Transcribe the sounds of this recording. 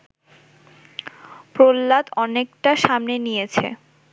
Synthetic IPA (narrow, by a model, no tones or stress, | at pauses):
pɾolːat̪ɔnekʈaʃamnenijet͡ɕʰḛ